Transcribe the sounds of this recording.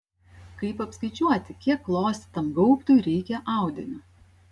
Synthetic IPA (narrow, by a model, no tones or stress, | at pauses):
kɐɪpɐpskɐɪt͡ʃʲuɔt̪ʲɪkʲiɛkplˠoːsʲt̪ʲɪ̥t̪ɐmɡɐʊpt̪ʊɪɾʲɛɪkʲɛʔɑˑʊd̪ʲɪnʲʊ